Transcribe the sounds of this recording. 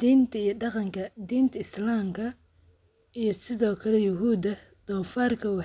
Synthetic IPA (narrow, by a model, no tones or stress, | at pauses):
d̪iːnt̪ʰɐijɐɖɑqɑŋkʰɐd̪iːnt̪ʰɐɪslaːmkʰɐ | ijɞsɪðɔːkʰɐlɛjʊɦuːd̪ɐ | d̪̥ɔːfaːrkʰɐwɑ